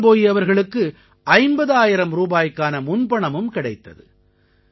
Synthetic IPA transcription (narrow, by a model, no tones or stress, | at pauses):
poːjiɐʋɐɾɣɐɭɯkːɯ | ɐɪmbɐðaːjɪɾɐmɾuːbaːjkːaːnɐmʊnbɐɳɐmɯmkɪɽɐɪt̪ːɐðɯ